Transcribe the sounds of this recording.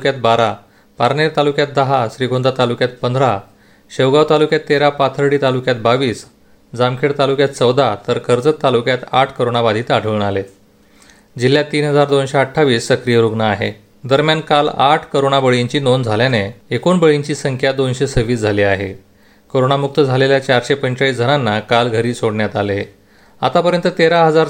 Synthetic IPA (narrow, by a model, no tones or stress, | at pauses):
kjat̪̚baɾa | paɾneɾt̪alukjat̪̚d̪əɦaɕɾiɡond̪ʱat̪alukjat̪̚pənd̪ɾa | ɕəwɡaʋt̪alukjat̪ːeɾapat̪ʰəɾɽiːt̪alukjat̪̚baʋiːs | d͡zamkʰeɽt̪alukjat̪t͡səwd̪at̪əɾkʰəɾd͡zət̪ːalukjat̪aʈʰkəɾoɳ̃aʋad̪ʱiːt̪aɖ̤ʱəʋɳale | d͡ʑil̤ːjat̪ːiːnɦəd͡zaɾd̪onɕeəʈʰːaʋiːsːəkɾijəɾuɡnəaɦḛ | d̪əɾmjankalaʈʰkəɾoɽ̃abəɭiɲt͡ɕiːnond͡zʱaljaneekonbəɭiɲt͡ɕiːsəŋkʰjad̪onɕesəʋiːsd͡zʱaliːaɦḛ | koɾoɳamuk̚t̪əd͡zʱaleljat͡ɕaɾɕepəɲt͡ɕaiːsd͡zʱəɾanːakalɡʱəɾiːsoɽɳjat̪ale | a̰t̪apəɾjənt̪ət̪eɾaɦəd͡zaɾ